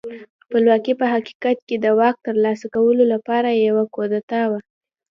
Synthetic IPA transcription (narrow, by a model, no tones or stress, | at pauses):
xpəlwɑkipəɦaki̥kat̪̚ked̪əwɑk̚t̪əɾlɑsakawəlolapɑɾajawakod̪at̪awa